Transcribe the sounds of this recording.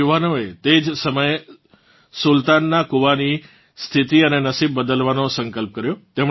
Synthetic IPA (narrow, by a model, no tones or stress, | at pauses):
uʋanoet̪ed͡ʒsəməj | sult̪anːakuʋani | st̪ʰit̪iənenəsib̚ːəd̪əlʋanosə̃ŋkəlp̚kəɾjot̪em